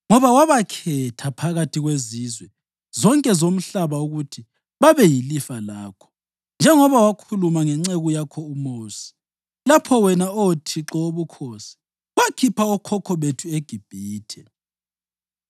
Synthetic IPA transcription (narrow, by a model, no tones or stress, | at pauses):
ŋɔβawaβakʰɛtʰapʰaɣatʰiɣwezizwɛ | zɔŋkʼɛzom̩ɬaβauɣutʰi | βaβɛjilifalaːkʰɔ̥ | nd͡ʒʱɛŋɔβawakʰulumaŋɛŋ͡ǀeɣujakʰɔumoːsi̥ | lapʰɔwɛnaɔtʰiǁɔoβukʰoːsi̥ | wakʰipʰaɔkʰɔkʰɔβetʰueɡ̥ʱib̥ʱiːtʰɛ